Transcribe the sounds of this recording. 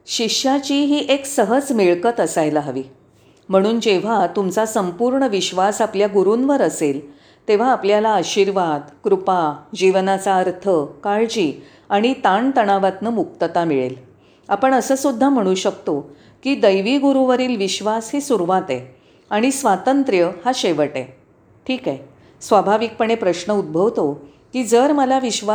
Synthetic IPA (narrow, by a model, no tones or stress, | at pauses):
ɕikɕat͡ɕiːɦiːʔeksəɦəd͡zmiɭkət̪əsajlaɦəʋiː | m̤əɽ̃uːnd͡ʑeʋ̤at̪umt͡sasəmpuɾɳəʋiɕʋasapljaɡuɾunʋəɾəsel | t̪eʋ̤aːpljalaəɕiɾʋad̪kɾupad͡ʑiʋnat͡saəɾt̪ʰəkaɭd͡ʑiː | aɽ̃it̪aɳt̪əɽ̃aʋat̪nəmuk̚t̪ət̪amiɭḛl | apəɳəsəːsud̪ʱːam̤əɽ̃uːɕəkt̪o | kiːd̪əjʋiɡuɾuʋəɾiːlʋiɕʋasɦesuɾʋat̪ḛ | aɽ̃isʋat̪ənt̪ɾjəhaɕeʋəʈḛ | ʈʰiːke | sʋabʱaʋik̚pəɳepɾəɕnəud̪̚bʱəʋt̪o | kiːd͡zəɾməlaʋiɕʋa